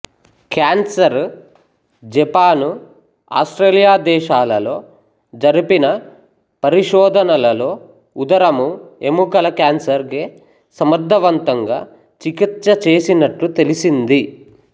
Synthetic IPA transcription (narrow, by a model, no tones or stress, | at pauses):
kaːnsɐɾ | d͡ʒɛpaːnu | a̰ːsʈɾeːlijaːd̪ɛːʃaːlɐlo̞ː | d͡ʒɐɾipinɐ | pɐɾiʃɔːd̪ʱɐnɐlɐlo̞ː | ud̪ɐɾɐmuemukɐlɐkaːnsɐɾɡeː | sɐmɐd̪ʱːɐʋɐnt̪ɐŋɡa̰ː | t͡ʃikit̪sɐt͡ʃe̞ːsinɐʈːut̪e̞lisind̪i